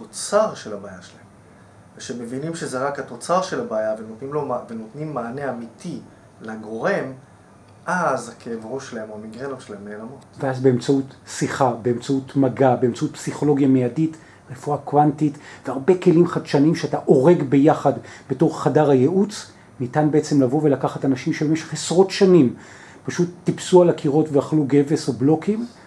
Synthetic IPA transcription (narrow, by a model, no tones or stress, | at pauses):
tot͡saʁʃelabaːjaʃelaem | veʃemevinimʃezeʁakhato̞t͡saʁʃe̞labaːjavenotnimlovenot̪nimːaːneamitʰi | laɡo̞ʁe̞m | ʔazakʰeːvʁuʃlaemamiɡʁenoʃelaemneːlamo̞tveazbe̞emt͡sautsiχabe̞emt͡sautmaɡabeemt͡sautpsiχo̞lo̞ɡjamejadit | ʁe̞fuakwantitveaʁbe̞ke̞limχadʃanimʃeataʔo̞ʁe̞ɡbe̞jaχadbeto̞ʁχadaʁhaje̞ʔut͡s | nitanbeet͡se̞mlavo̞ve̞lakaχatanaʃimʃebe̞meʃe̞χesʁo̞tʃanim | paʃutːipsualakʰiʁo̞tveaχluɡe̞ve̞soblo̞kʰim